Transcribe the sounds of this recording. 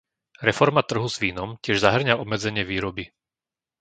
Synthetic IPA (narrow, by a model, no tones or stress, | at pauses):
ɾɛfɔɾmat̪r̩ɦuzʋiːnɔmcɪɛʒzaɦr̩ɲaɔbmɛd͡zɛɲɪɛʋiːɾɔbi